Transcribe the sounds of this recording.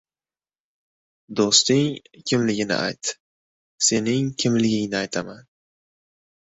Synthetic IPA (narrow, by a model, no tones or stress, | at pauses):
d̪ost̪ɪŋ | kʲʰɪmlɪɡʲɪnɪ̰ʔa̰jt̪ | se̞nɪŋkʲʰɪmlɪɡʲɪŋnɪajt̪ʰaman